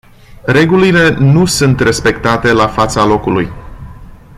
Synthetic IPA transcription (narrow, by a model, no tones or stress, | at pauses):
ɾe̞ɡulile̞nusunt̪re̞spe̞kt̪at̪e̞lafat̪salo̞kuluj